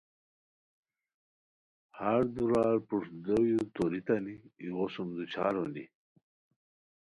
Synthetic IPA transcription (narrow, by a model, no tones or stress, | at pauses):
haɾd̪uɾaːɾpuʂd̪ojut̪oɾit̪aniiʁosumd̪ut͡ɕʰa̰ːɾondḭ